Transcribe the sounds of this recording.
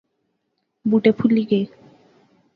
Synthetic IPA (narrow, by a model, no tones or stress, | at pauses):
buʈepʰuliɡe